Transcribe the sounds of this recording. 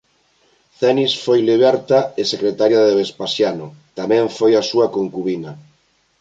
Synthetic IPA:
θɛnisfojliβɛɾt̪aesekɾet̪aɾjaðeβespasjanʊt̪amɛ̃ɱfojasuakoŋkuβina

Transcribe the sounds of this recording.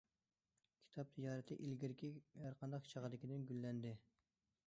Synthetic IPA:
kʲʰi̥t̪ʰɑp̚t̪ʰijɑːɾɨt̪ʰɨʔilɡʲiɾɪkʲʰijɑɾqʰɑnd̪ɑqt͡ʃʰɑʁəd̪ɪkʲid̪ɪnɡʲylːɛnd̪ɪ

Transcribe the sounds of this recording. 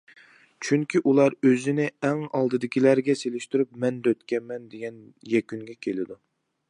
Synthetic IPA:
t͡ʃʰyŋkʲiʔulˠɑɾøzɪnɪɛŋɑlˠd̪ɨd̪ɪkʲʰilæɾɡʲɛselɪʃt̪yɾypmɛnd̪øt̪kʲɛnmɛnd̪eɡʲɛnjɛkʲyŋɡʲɛkʲʰelɪd̪u

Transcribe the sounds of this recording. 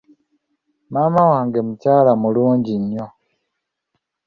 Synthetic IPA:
maːmawaːŋɡemucaːlamuluːɲɟiɲːo

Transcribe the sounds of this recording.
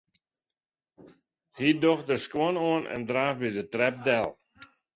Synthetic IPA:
hidɔxdəskoənoənɛ̰ndɾaːfbidətrɛp̚dɛlˠ

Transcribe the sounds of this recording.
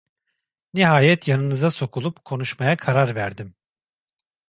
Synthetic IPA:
niɦaːjɛt̪janɯnɯzaso̞kʰulˠupkʰo̞nuʃmajakʰaɾaɾvæɾd̪im

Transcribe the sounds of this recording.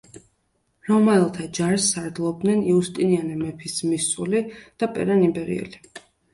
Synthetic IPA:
ɾɔmaɛlˠt̪ʰad͡ʒaɾsːaɾd̪lˠɔb̚d̪nɛniust̪ʼinianɛmɛpʰismisʼulid̪̥apʼɛ̰ɾanimbɛɾḭɛ̰li

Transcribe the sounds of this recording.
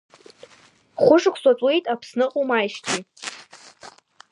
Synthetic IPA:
χʷʊʂɨkʷʰsʷʼat͡sʷʼwe̞jtʼapʰsnɨqʼomajʃtʲi

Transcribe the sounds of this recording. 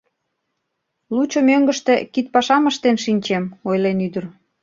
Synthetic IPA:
lut͡ɕŏmøŋɡə̆ʃt̪ĕkit̪̚pɑʃɑməʃt̪enʃinʲt͡ɕemojlenyd̪ə̆r

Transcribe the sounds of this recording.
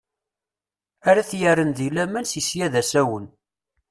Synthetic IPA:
æɾæθjəɾənðilæmænsisjæðæsæwən

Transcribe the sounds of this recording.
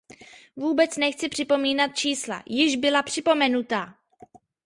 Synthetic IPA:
vuːbɛt͡snɛxt͡sɪpr̝̥ɪpo̞miːnat̪̚t͡ʃiːsla̰jɪʒbɪlapr̝̥ɪpo̞mɛnut̪aː

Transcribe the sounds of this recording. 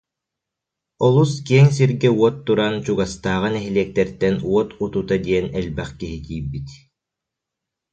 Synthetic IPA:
ɔlˠuskiɛŋs̬iɾɡɛuɔt̪ːuɾant͡ɕuɡast̪aːʁɯnɛɦiliɛk̚t̪ɛɾt̪ɛnuɔt̪ut̪ut̪ad̪iɛnɛlbɛχkiɦit̪iːbːit̪

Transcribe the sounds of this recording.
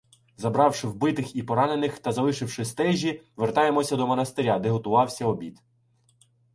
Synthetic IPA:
zɐbɾɑwʃɪwbɪt̪ɪxipɔɾɑne̞nɪxt̪ɐzɐlɪʃɪwʃɪst̪ɛʒʲiʋert̪ɑjemɔsʲɐd̪ɔmɐnɐst̪eɾʲad̪eɦɔt̪ʊʋɑwsʲɐɔbʲit̪

